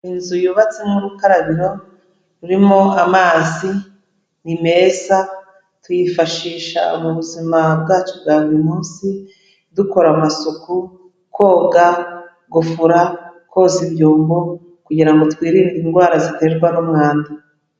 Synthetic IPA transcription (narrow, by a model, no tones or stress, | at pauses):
inzujuβat͡semuɾukaɾaβiɾo̞ | ɾuɾimo̞amaːzi | nime̞ːza | twujifaʃiːʃa̰uβuβuzimab̚ɡaːt͡ʃobɡaːβuɾimuːnsi | duko̞ɾamasuku | ko̞ːɡa | ɡufuɾakʰozimjoːmbo̞ | kuɟiɾaŋɡo̞twiːɾiɾinɡwaːɾazite̞ːɾɡwanumŋaːnda